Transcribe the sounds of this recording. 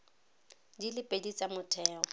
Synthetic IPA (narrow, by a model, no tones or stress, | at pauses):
dilɪpʼedit͡sʼamʊtʰɛːɔ